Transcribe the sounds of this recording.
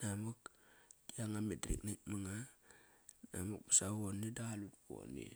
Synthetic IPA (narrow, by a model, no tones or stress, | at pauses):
namokd̥iaŋametɾḭknik̚maŋa | na̰muk̚pḁsawonidaalutko̰nḭ